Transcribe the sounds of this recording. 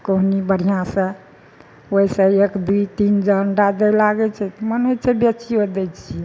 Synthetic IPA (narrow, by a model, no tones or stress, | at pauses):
koɦnibəɽ̤ijãsə̃ | oisə̃ekd̪uit̪ind͡ʒəɳɖad̪ɛlaɡɛt͡ʃʰɛt̪ɔmənɦojt͡ʃʰebjət͡ʃiod̪ɛt͡ʃʰiɛ